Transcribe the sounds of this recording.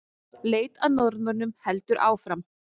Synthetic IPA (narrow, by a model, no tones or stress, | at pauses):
leːjt̪aðnɔɾmaɾnʏmhɛlt̪ʏɾʔa̰ːwfɾam